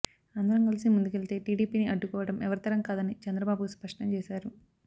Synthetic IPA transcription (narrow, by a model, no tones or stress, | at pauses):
ɐnd̪ɐɾɐŋkɐlisimund̪ukelit̪e̞ːʈiːɽiːpiːniʔɐɖːukɔːʋɐɽɐmɛʋɐɾit̪ɐɾɐŋkaːd̪ɐnit͡ʃɛnd̪ɾɐbaːbuspɐʂʈɐɲt͡ʃɛːʃaːɾu